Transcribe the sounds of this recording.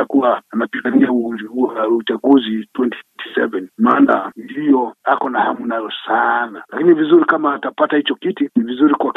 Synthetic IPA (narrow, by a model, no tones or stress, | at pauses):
akuwaːnapiŋɡaniau | ut͡ʃaɡuzitwɛnti̥twɛnti̥sɛ̰vɛnmaːnandijɔakɔnahamunajɔsanalakinivizuɾikamaːtapatahit͡ʃɔkitinivizuɾikwak